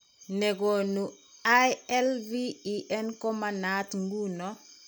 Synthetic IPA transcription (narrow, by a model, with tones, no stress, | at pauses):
nɛ˨ɡo˨nu˨ | ajɛ˦lvi˦i˨ʔɛnkɔ˦ma˨natŋɡu˦nɔ˦